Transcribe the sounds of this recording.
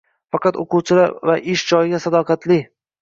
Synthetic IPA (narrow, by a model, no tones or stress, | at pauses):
fɑqɑt̪o̰quwt͡ʃʰɪlaɾvaʔɪʃd͡ʒɒjɪɡʲasad̪ɒqʰɑt̪lɪ